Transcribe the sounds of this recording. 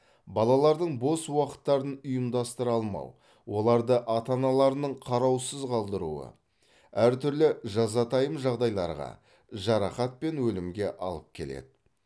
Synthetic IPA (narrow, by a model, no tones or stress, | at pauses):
bɑlˠɑlˠɑɾd̪əɴbo̞swɑqə̥t̪ːɑɾənʊjəmd̪ɑst̪əɾɑlˠmɑ̰w | wo̞lˠɑɾd̪əʔɑt̪ɑnɑlˠɑɾənəɴqʰɑɾɑwsəzqʰɑlˠd̪əɾṵə̰ | æɾt̪ʰʏɾlɪʒɑzɑt̪ʰɑjəmʒɑʁd̪ɑjlˠɑ̰ɾʁɑ̰ | ʒɑɾɑχɑt̪̚pe̞nwɵlɪmɡʲe̞ʔɑ̰lˠəp̚kʲʰe̞̰le̞̰d̪ɪ